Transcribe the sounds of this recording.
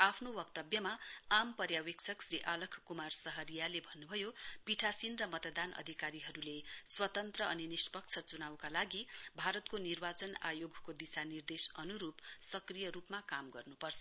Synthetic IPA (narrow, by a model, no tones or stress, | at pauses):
apʰnowʌk̚t̪ʌbjʌmaampʌrjawekt͡sʰʌksɾiʔalʌkʰkumarsʌɦʌɾijalebʱʌnːubʱʌjopiʈʰasinrʌmʌt̪d̪anʔʌ̰d̪ʱikaɾiɦʌɾuleswʌt̪ʌnt̪rʌʌninispʌk̚t͡sʰʌt͡sunawkalaɡibʱaɾʌt̪konirbat͡sʌna̰joɡʱkod̪isanird̪esʌnuɾupsʌkrijʌɾupmakamɡʌrnupʌrt͡sʰʌ